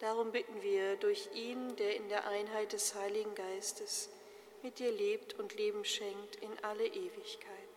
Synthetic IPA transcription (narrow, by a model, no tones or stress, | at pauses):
d̥aʁ̞ʊmbɪtn̩viːɐdʊɐçʔiːndeːɐɪndeːɐʔaɪnɦaɪt̚d̥ɛshaɪlɪɡŋ̩ɡaɪstəs | mɪt̚d̥iːɐleːp̚tʰʊntleːbm̩ʃɛŋk̚tʰɪnʔaləʔeːvɪçkʰaɪt